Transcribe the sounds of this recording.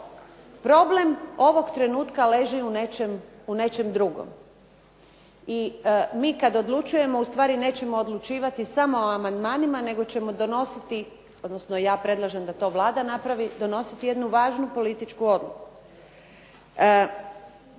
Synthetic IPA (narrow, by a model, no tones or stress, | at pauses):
pɾo̞blemo̞ʋo̞ɡt̪ɾe̞nuːt̪kale̞ʒiunet͡ʃemune̞t͡ʃemd̪ɾuɡo̰m | imiːkad̪o̞d̪lˠut͡ʃuje̞mo̞ust̪ʋaːɾine̞ːt͡ɕe̞mo̞ːd̪lˠut͡ʃiːʋat̪isamo̞oamand̪maːnimane̞ɡo̞t͡ɕe̞mo̞d̪o̞no̞sit̪i | o̞d̪nosnojaːpɾe̞d̪lˠaʒemd̪at̪o̞ːʋlˠaːd̪anapɾaʋid̪o̞no̞sit̪ije̞d̪nuʋaːʒnupo̞lit̪it͡ʃkuo̞d̪luku